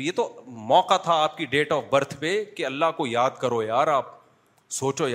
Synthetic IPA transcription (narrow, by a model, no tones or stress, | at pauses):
jeːt̪omɔːqat̪ʰaaːp̚kiɖeːʈɔːfbɐɾt̪ʰpekeɐlːaɦkojaːd̪kɐɾojaːɾaːp̚ | soːt͡ʃoj